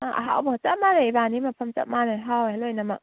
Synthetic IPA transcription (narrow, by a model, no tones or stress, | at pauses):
aʔɐ̰ɦa̰wbat͡ʃap̚maɾeibanimɐpʰɐmt͡ʃa̰p̚maɾaɦawlojnɐmɐk̚